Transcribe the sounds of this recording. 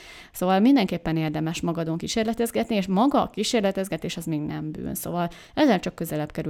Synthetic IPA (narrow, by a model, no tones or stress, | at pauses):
soːvɒlmind̪ɛŋkeːpːɛneːrd̪ɛmɛʃmɒɡɒd̪oŋkiʃeːrlɛt̪ɛzɡɛt̪nieːʃmɒɡɒkiʃeːrlɛt̪ɛzɡɛt̪eːʃɒzmiːɡnɛ̰mby̰ːnso̰vɒl | ɛzːɛlt͡ʃɒkːø̞zɛlɛbkɛɾy